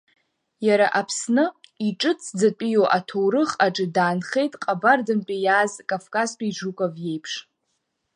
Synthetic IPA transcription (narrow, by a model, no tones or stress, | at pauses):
jaɾaʔapʰsnɨiʈ͡ʂʼɨt͡sʰd͡zat͡pʼijoʔatʰowɾɨχaʈ͡ʂʼɨdaːnχe̞jtʼqʼabardɨmpʼijaːzkʼafkʼaztʷʰʼaiʐukʷʼavje̞jpʰʂ